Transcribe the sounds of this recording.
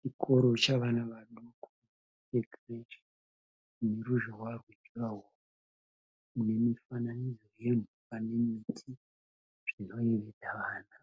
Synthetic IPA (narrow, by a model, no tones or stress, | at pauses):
t͡ʃikʰo̞ɾo̞t͡ʃaʋanaʋaɗuku | eɡreʃi | ne̞ɾuʒoɦwarweraɦo | u | une̞mifananid͡zo̞je̞nukane̞mitʰi | ʐ̥ino̞eʋetaʋaːna